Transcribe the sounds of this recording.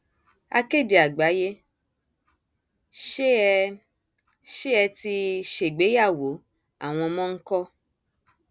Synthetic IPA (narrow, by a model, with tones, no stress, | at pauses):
a̰˧ke˦˨di˨a˨ɡ͡ba˨˦je˦ | ʃ | ʃe˦ɛ˧ti˧ʃe˨ɡ͡be˨˦ja˦˨wo˨˦ | a̰˦˨w̃ɔ̃˧mɔ̃˦ŋ̩˦kɔ˦